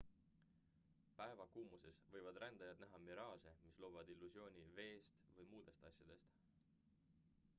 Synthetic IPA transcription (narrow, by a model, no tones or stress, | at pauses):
pæevɑkuːmuse̞svɤjvɑd̪rænd̪̥ɑjɑd̪næɦɑmiɾɑːse̞mislo̞ːvɑd̪ilːusjo̞ːnʲive̞ːst̪vɤjmuːd̪̥e̞st̪ɑsʲjɑd̪̥e̞st̪